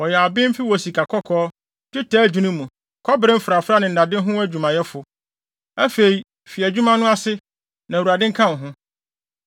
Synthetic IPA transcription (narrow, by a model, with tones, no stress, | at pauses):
wɔ˨jɛ˨a˨bɪ̃˦m̩˦fɪ˦wɔ˨si˨kʰa˨kʰɔ˦kʰɔː˦ | tɪ˦tʰɛː˦d͡ʑᶣũ˨˦nũ˦mũ˨ | kʰɔ˦bɪ˨ɾɪ̃˦m̩˦fɾa˨fɾa˦nɪ̃˨n̩˨da˨dɪ̃˦ɦʊ̃˦æ˦d͡ʑᶣu˨mã˨jɛ˦fʊ˨ | æ˦fe˨i˨ | fi˨æ˨d͡ʑᶣu˦mã˦nʊ̃˦a˦sɪ˦ | nã˨u˨a˨dɪ̃˦ŋ̩˦kʰã˦˨n˨ɦʊ̃˦